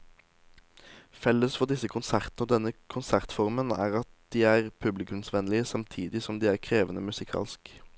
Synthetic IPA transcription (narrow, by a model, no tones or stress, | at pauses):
fɛlːəsfɔʁd̪ɪsəkʰʊnsæʁt̪nəoːd̪ɛnːəkʰʊnsæʁt̪fɔʁmənæ̰ːʁɑt̪̚d̪̥iːæːʁpʰʉblɪkʉmsʋɛnlɪəsɑmt̪ʰiːd̪ɪsɔmd̪iːæːʁkʰʁeːʋənəmʉsɪkʰɑ̰ːlsk